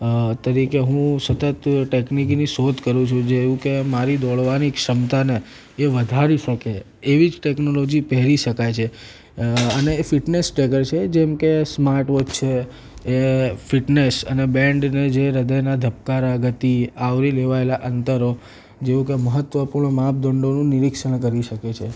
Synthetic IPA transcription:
t̪əɾikeɦũsət̪ət̪ʈekniknisod̪ʱkəɾũt͡ʃʰũd͡ʒeʋũkemaɾid̪ɔɭʋanikʃəmt̪aneː | ʋəd̪ʱaɾiʃəkeː | ʋid͡ʒʈeknolod͡ʒipɛɦɾiʃəkajt͡ʃʰe | əneːfiʈnesʈekəɾt͡ʃʰed͡ʒɛmkesmaɾʈʋod͡ʒt͡ʃʰeː | fɪʈnesə̰nebɛ̃ɳɖned͡ʒeɾəd̪əjnad̪ʱəp̚kaɾaɡət̪iaʋɾileʋaelaʔənt̪əɾo | d͡ʒeʋũkeməɦət̪ʋəpuɾɳəmap̚d̪əɳɖonũniɾikʃəɽ̃kəɾiʃəket͡ʃʰe

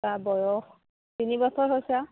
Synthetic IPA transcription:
abɔjɔx | tinibɔsʰɔɹɦojsa

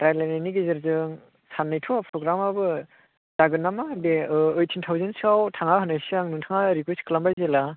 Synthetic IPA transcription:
tɾajlananiɡezɯɾzɯŋ | sanːɯjtʰɔpʰɾɔɡɾamabɯ | zaɡɯnːamabeɯɯjtʰintʰawzɯnsɯawtʰaŋaɦɯnajsiaŋnɯŋtʰaŋaɾikʰuskʰɯlambajzela

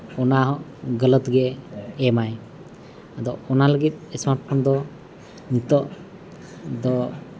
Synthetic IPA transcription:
ɔnaɦɔʔɡələt̪ɡɛɛmaj | ad̪ɔɔnaləɡit̪̚ɛsmaʈ̚pʰɔnd̪ɔ | nit̪ɔʔ | d̪ɔ

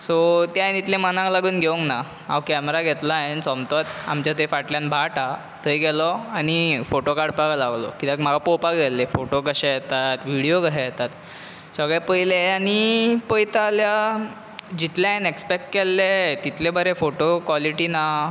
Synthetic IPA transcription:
sɔt̪jajnit̪lẽmənãŋklaɡuːnɡʱeuŋkna | a̰wkɛmɾaɡʱɛt̪laensɔmt̪ɔt̪a̰mt͡ɕat̪efaʈljanbʱaʈa | t̪ʰəjɡɛlɔaɽ̃ifoʈokaɽpaɡlaɡlɔkit̪akm̤aɡapowpakd͡zalːefoʈokəɕɛjɛt̪at̪ʋiɽijokəɕajɛt̪at̪ | səɡɭepəjleañipəjt̪alja | d͡ʑit̪ljaenekspekʈkelːet̪it̪ʰlebəɾẽfoʈokʋɔliʈina

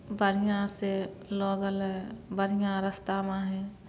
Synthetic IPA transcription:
bəɾijãselɔːɡəlɦɛ̃bəɾijãɾəst̪aːmãɦɛ̃ː

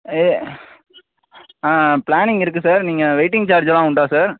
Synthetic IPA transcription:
eː | ãːplaːnɪŋɡɪɾɯk̬ːɯsaːɾniːŋɡɐʋeɪʈɪ̃ŋɡ̚t͡ʃaːɾd͡ʒɐlãːʊɳɖaːsaːɾ

